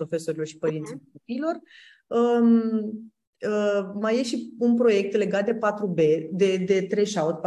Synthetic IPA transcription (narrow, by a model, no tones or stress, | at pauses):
ɾo̞fe̞so̞ɾilo̞rʃi̥pəɾint̪siopiːlo̞r | ə | əmaje̞ʃiunpɾo̞je̞k̚t̪le̞ɡat̪̚d̪e̞pat̪ɾube̞d̪e̞d̪e̞t̪ɾe̞jʃaut̪p